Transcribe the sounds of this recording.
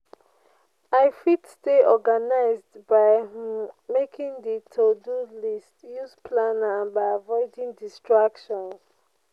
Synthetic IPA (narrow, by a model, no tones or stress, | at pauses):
aɪfitsteʔɔɡanaɪzdbaɪ | mekĩŋditʰodulistjuzpʰlanãnbaɪavɔɪdĩŋdistɹakʃɔ̃ns